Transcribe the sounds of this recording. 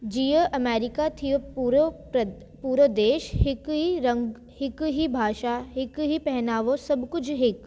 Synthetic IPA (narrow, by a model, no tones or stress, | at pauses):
d͡ʒijəʔɐmeːɾɪkat̪ʰijoɾ | puːɾəd̪eːʃhɪkiɾə̃ŋɡ | hɪkɦibʱaːʃaɦɪkɦipɛɦnaːʋosɐbkʊt͡ʃʰɦɪk